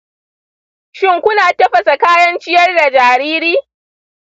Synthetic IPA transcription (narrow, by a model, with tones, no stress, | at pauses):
ʃɪ˦ŋkʷʊ˦naː˨tɐ˦ɸɐ˨sa˨kaː˦jɐ˦nt͡ʃɪ˦jɐ˦rda˨d͡ʒaː˨ɾiː˦ɾiː˦